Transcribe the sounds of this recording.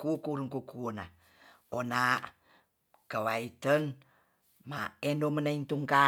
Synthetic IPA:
kukuɾəŋkukuona | ona | kəwait̪ən | ma̰endomənaint̪uŋka

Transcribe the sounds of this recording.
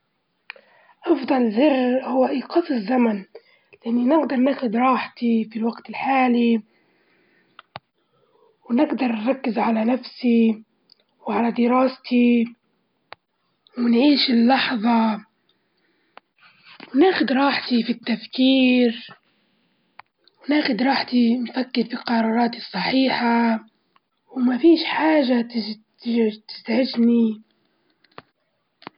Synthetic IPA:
ʔɑfd̪ˤɑlzɪrːhʊwːaʔiːqɑsɪzːaman | lɪʔanːinɪɡd̪ɑɾˤnaːxʊd̪ɾˤɑːħt̪ifilwaɡt̪ɪlħaːli | wnɪɡd̪ɑɾˤnɾˤɑkːɪzʕalanafsi | wʕalad̪ɪɾɑːst̪ʰi | wɪnʕiːʃɪlːɑħðˤɑ | wnaːxʊd̪ɾˤɑːħt̪ifit̪ːafkiːɾ | wnaːxʊd̪ɾˤɑːħt̪infakːɪɾfilqɑɾˤɑːɾˤɑːt̪isˤːɑħiːħa | wmafiːʃħaːʒat̪ɪt̪ɪt̪ɪ̥zʕɪd͡ʒni

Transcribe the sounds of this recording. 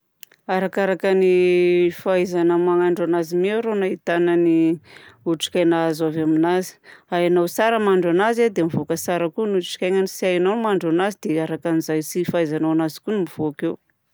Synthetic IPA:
aɾakaɾakanifaizanəmaŋaɳɖ͡ʐanazimewɾonait̪anani | uʈ͡ʂi̥kʲajnaːzavaminazi̥aanawsaɾəmaɳɖ͡ʐanazad̪emivokəsaɾəkunuʈ͡ʂi̥kʲajŋanisiajananimaɳɖ͡ʐanazid̪eaɾakanizajt͡sifajzanawanazi̥kunimiv̥oakew

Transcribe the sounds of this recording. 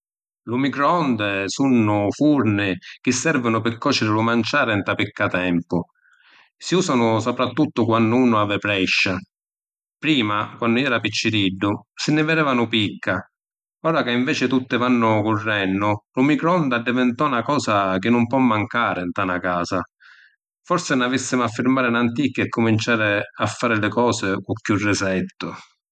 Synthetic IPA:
lumikɾɔnd̪ɛsunːʊfuɾnɪk̟ɪsːɛɾvɪnʊpɪɾkːɔːt͡ʃɪɾɪlʊmant͡ʃaːɾɛnt̪apikːat̪ɛmpʊ | siuːsanʊsɔpɾat̪ːut̪ːʊkwanːʊuːnʊavɪpɾɛʃːa | pɾiːmakwanːʊɛːɾapit͡ʃːɪɾiɖːʊsɪnːɪvɛdɛːvanʊpikʰːa | ɔːɾakaiɱvɛːt͡ʃɪt̪ut̪ːɪvanːʊkʊrːɛnːʊlʊmikɾɔnd̪ad̪ːɪvɪnt̪ɔnakɔːsak̟ɪnːʊmpwɔmːaŋkaːɾɪnt̪anakaːsa | fɔɾsɪnavisːɪmʊafːɪɾmaːɾɪnant̪̬ikːɛkːʊmint͡ʃaːɾɪafːaːɾɪlɪkɔːsɪkukːjurːɪsɛt̪ːʊ

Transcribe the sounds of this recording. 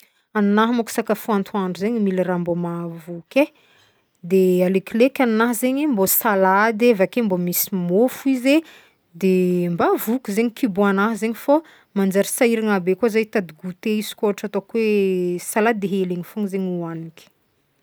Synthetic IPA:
annaɦamaku̥sakafuant̪ʰuaɳɖ͡ʐuzeɲimilirambomavuke | d̪ealekilekʲannaɦzeɲembosalad̪evakembomisimofuize | d̪embavukʲuzeɲikibuanaɦzeɲifo | mand͡ʒaɾisaiɾaŋabekazajt̪ad̪iɡut̪eisi̥kʲoɦaʈ͡ʂat̪okwesalad̪eɦeleŋifoŋizeɲuanikʲi̥

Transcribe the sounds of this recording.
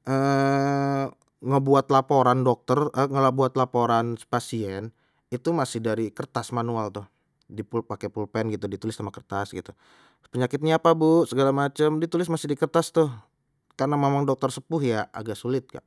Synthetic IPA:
ʔə | ŋəbuat̪lapoɾandɔk̚t̪ərəŋəlabuat̪lapoɾanpasiɛn | it̪umasɪhdaɾikərt̪asmanualt̪ʊh | dipulpakepulpɛnɡit̪udit̪ulɪst̪amakərt̪asɡit̪u | pəɲakɪt̪̚ɲaapabusəɡalamat͡ʃəmdit̪ulɪs̬masɪhdikərt̪ast̪ʊh | karnamemaŋdɔk̚t̪ərsəpʊɦjaa̰ɡaʔsulɪt̪̚ka̰ʔ

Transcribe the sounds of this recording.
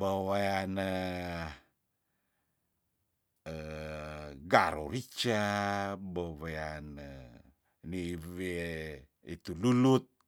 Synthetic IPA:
bawajanə | ə | ɡaɾoɾit͡ʃa | bawajanə | nive | it̪ululut̪̚

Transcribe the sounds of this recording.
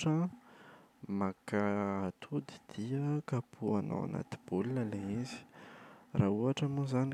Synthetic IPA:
ʈ͡ʂə | makaat̪ʰud̪i̥d̪̥iəkapʰuana̰wa̰na̰t̪i̥b̥ulinəleizi̥rauaʈ͡ʂamuzani

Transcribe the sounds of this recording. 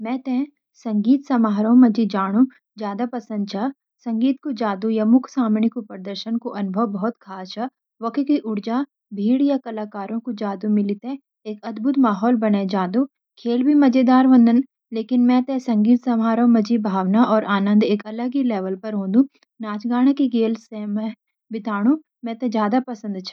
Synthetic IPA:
mɛ̃ːt̪ɛ̃ | sɐ̃ŋɡiːt̪sɐmaːɾõmɐd͡ʒid͡ʒaːɽ̃ũ | d͡ʒjaːd̪apɐsə̃nd̪̚t͡ʃʰaː | sɐ̃ŋɡiːt̪̚kod͡ʒaːd̪ujamʊkʰsaːmɳikopɾəd̪əɾʃənkoʔɐnʊbʱəwbɐɦɔt̪kʰaːt͡ʃa | ʋɐkʰkiʔʊɽd͡ʒaː | bʱiːɽjakɐlaːkaːɾõkod͡ʒaːd̪umɪlit̪ẽ | eːkɐd̪bʱʊt̪maːɦɔːlbɐned͡ʒaːd̪u | kʰeːlbʱimɐd͡ʒed̪aːɾʋə̃nd̪ʱən | leːkɪnmɛ̃t̪esɐ̃ŋɡiːt̪sɐmaːɾõmɐd͡ʒibʱaːʋnaʔɔːɾʔaːnə̃nd̪eːkɐləɡileːʋəlpɐɾɦõːd̪ũː | naːt͡ʃɡaːɽ̃akiɡeːlsẽmɛ̃ | bɪt̪aːɽ̃u | mɛ̃ːt̪ẽzjaːd̪apɐsə̃nd̪t͡ʃʰa

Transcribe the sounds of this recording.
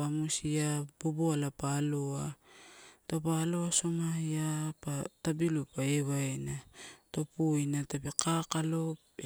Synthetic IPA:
amusiaboboalapaloa | topalo̞asomajapatabilupaeβaenato̞pujnatabekakalo̞p

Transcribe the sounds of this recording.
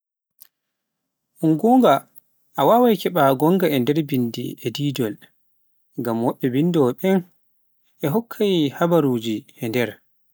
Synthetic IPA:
ʔuŋɡɔːŋɡa | ʔawawajkɛɓaɡɔŋɡaɛndɛɾbindḭɛdiːd͡ʒɔl | ŋɡamwɔɓːɛbindɔɓɛn | ʔɛɦɔkʰːajihabaɾuːd͡ʒiɛndɛɾ

